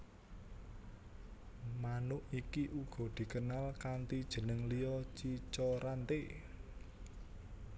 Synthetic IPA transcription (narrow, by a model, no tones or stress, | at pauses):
manʊʔikiʔuɡ̥ɔ̤d̪̥i̤kənalkant̪id̥ʒ̥ə̤nəŋlijɔt͡ʃit͡ʃɔɾant̪e